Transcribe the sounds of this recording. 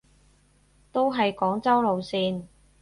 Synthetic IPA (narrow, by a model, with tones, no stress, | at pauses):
t̪o˥wɦɐ˨jkɔː˨˥ŋt͡sɐ˥wlo˨˧wsiː˧n